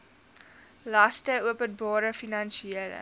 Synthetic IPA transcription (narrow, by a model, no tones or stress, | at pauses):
lɐstəuəpənbɑːɾəfinɐnʃiilə̰